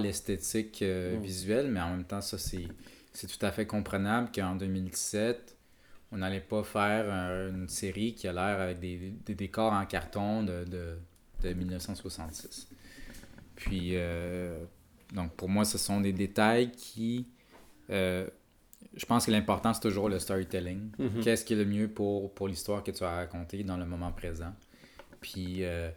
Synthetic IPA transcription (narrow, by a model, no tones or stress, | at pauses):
lɛst̪et̪ɪkəvizɥɛlmɛɑ̃mɛ̃mt̪ɑ̃sʌsɛ | sɛt̪u̥t̪afɛkɔ̃pχənablkəɑ̃d̪ømild̪i̥sɛt̪ | ɔ̃nalɛpʌfɛːʁynseʁikʲialɛːʁavɛk̚d̪ed̪ed̪ekɔːʁɑ̃kaʁt̪ɔ̃d̪əd̪ə | d̪̥əmilnəfsɑ̃swasɑ̃t̪sɪ̥s | pʰɥiø | d̪ɔ̃k̚puʁmwasəsɔ̃d̪ed̪et̪ajkʲʰi | ø | ʒəpɑ̃skəlɛ̃pɔʁt̪ɑ̃st̪uʒuːʁləst̪ɔʁit̪ɛlɪ̃ŋkʲɛskʲiɛləmjøpuʁpuʁlist̪waːʁkət̪yaʁakɔ̃t̪ed̪ɑ̃ləmɔmɑ̃pχezɑ̃ | pʰɥiø